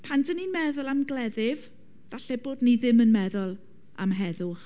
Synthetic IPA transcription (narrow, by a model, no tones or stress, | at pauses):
pʰandənimɛðʊlˠamɡlɛðɪv | vaɬɛboːdniðɪmənmɛðʊlˠ | a̰mɦɛðʊχ